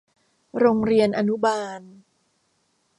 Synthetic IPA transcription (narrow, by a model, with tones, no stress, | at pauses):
ɾoː˧ŋɾi˧ənʔa˧nu˦˥baː˧n